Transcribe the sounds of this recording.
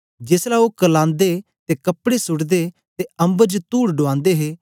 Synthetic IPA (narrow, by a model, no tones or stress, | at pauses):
d͡ʒeːslaokəlãːnd̪e | t̪ekɐpːɽesʊɽd̪e | t̪eɐ̃mbəɾd͡ʒt̪uːɽɖʊãːnd̪eɦeː